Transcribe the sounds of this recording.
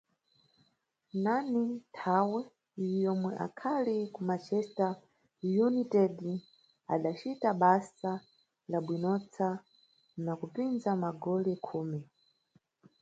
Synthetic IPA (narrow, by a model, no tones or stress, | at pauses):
nanitʰawɛ | jɔmwɛʔa̰kʰalikumat͡ʃɛsta | junitɛd | a̰ɗat͡ʃitaɓasa | laɓwinɔt͡sʰa | nakupinzamaɡɔlɛkʰuːmɛ